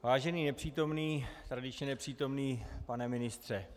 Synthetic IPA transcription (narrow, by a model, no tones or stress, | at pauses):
vaːʒɛniːnɛpr̝̥iːt̪o̞mniːt̪ɾadɪt͡ʃɲɛnɛpr̝̥iːt̪o̞mniːpanɛmɪnɪst̪r̥ɛ